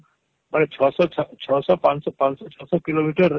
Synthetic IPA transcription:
manet͡ʃʰɔsɔɔt͡ʃʰɔsɔpansɔpãnsɔt͡ʃʰɔsɔkilomiʈəɾ

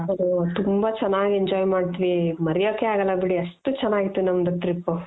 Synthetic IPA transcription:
ɐd̪ut̪umbat͡ʃɐnːaːɡieɲd͡ʒaːjmaːɖt̪iʋimɐɾɛjoːkːeaːɡɐlːɐbiɽiɐʂʈut͡ʃɛnːaːɡit̪ːunɐmɐd̪ut̪ɾipːu

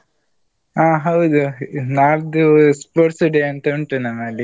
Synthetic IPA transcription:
aːɦɐwd̪unaːɾd̪uspoːʈsuɖeɐnt̪ɐuɳʈunɐmːɐlːi

